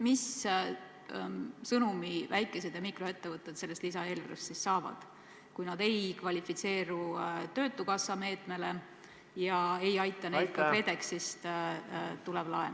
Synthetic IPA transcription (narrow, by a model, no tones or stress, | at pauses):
mis | sɤnumivæjkːˑe̞s̬e̞d̪̥jɑmikro̞e̞t̪ːe̞vɤt̪ˑːet̪se̞lːest̪lisɑe̞ːlvæɾest̪sissɑːvɑ̰d̪̥ | kujnɑd̪e̞jkvɑlʲifit̪se̞ːɾut̪ø̞ːt̪ːˑukɑsːɑme̞ːt̪me̞le̞ | jɑe̞jɑjt̪ːˑɑnejt̪̚kːɑkre̞d̪̥e̞ksist̪ | t̪ulevlɑen